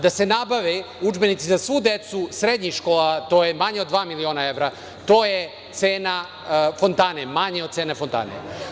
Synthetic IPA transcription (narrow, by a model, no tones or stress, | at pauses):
d̪ase̞nabaʋe | ud͡ʒbenit̪sizasʋud̪et̪susɾed̪ɲiʃkoːlat̪oːjemaɲeod̪ʋaːmilioːnae̞ʋɾa | t̪o̞ːje | t̪seːna | fo̞nt̪anemaɲeod̪t̪seːnefont̪a̰ːnḛ